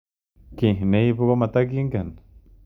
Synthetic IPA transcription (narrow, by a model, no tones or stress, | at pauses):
kihneipukamat̪akiŋkan